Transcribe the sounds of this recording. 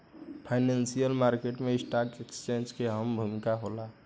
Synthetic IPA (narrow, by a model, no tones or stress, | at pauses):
pʰaɪnẽnsijəlmaːɾkeʈmẽɪsʈaːkekst͡ʃẽnd͡ʒkeɦəmbʱəmɪkaɦolaː